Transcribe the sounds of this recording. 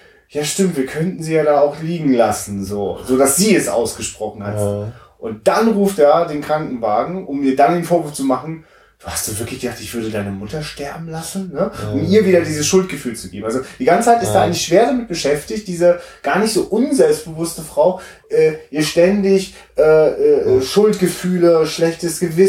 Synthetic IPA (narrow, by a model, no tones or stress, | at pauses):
jaːʃtɪmtv̥iːɐkʰœntn̩ziːjaːɾaːaʊxliːɡŋ̩lasn̩zoːzoːdasz̥iːɛsʔa̰ʊsɡ̥əʃpʁ̥ɔχn̩hatz | ʔʊnt̚d̥anʁuːftdaːdeːnkʁ̥aŋkŋ̩vaːɡŋ̩ʔʊmiːɐdandeːnfoːɐvɪɐt͡sumaχn̩ | d̥uːhast̚d̥uːvɪɐklɪçɡ̥əz̥aːχtɪçv̥ʏɐdədaɪnəmʊtɐʃtɛɐbm̩lasn̩nəʔʊmiːɐviːdɐdiːzəsʃʊlt̚ɡ̥əfyːlt͡suɡ̥eːbmʔalzod̥iːɡant͡sə̥t͡sʰaɪtɪstdaːaɪɡŋlɪçʃv̥eːɐdamɪt̚b̥əʃɛftɪçt̚d̥iːzəɡ̥aːɐnɪçtz̥oːʔʊnzɛlpst̚b̥əvʊstəfʁ̥aʊ | ʔɛːʔiːɐʃtɛndɪç | ʔɛːʔɛːʔɛːʃʊltɡ̥əfyːləʃlɛçtəsɡ̥əvɪ